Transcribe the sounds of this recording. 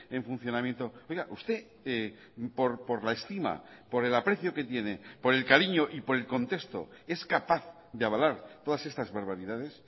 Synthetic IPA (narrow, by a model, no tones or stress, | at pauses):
e̞ɱfun̟θjo̞namje̞nt̪o̞o̞jɣaʔust̪e̞ | e | po̞ɾpo̞ɾlaest̪ima̰po̞ɾe̞lapɾe̞θjo̞ke̞t̪je̞ne̞po̞ɾe̞lkaɾiɲo̞ʔipo̞ɾe̞lko̞nt̪e̞st̪o̞̰ | e̞skapaθ | ðeaβalaɾt̪o̞ðase̞st̪azβaɾβ̞aɾiðað̞e̞s